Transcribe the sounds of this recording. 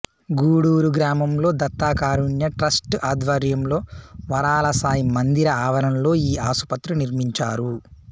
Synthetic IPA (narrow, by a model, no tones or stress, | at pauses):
ɡuːɽuːɾuɡɾaːmɐmlo̞ːd̪ɐt̪ːaːkaːɾuɳjɐʈɾɐsʈʔaːd̪ʋɐɾjɐmlo̞ːʋɐɾaːlɐsaːjimɐnd̪iɾɐaːʋɐɾɐnlo̞ːiːaːsu̥pɐt̪ɾuniɾmiɲt͡ʃaːɾu